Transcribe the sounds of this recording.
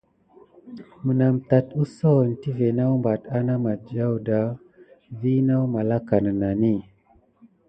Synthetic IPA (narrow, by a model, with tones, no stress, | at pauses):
mə˨na˨mta˨tu˦so˦˨n˨ti˦ve˨na˦wmba˨ta˦na˦ma˨d͡ʒa˦wda˨˦ | vi˦na˦wma˨la˦ka˨nə˨na˨ni˦˨